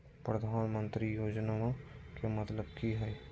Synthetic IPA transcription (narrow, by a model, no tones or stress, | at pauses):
pɾəd̪ʱaːnmə̃nt̪ɾijoːd͡ʒnakemət̪ləbkiɦɛj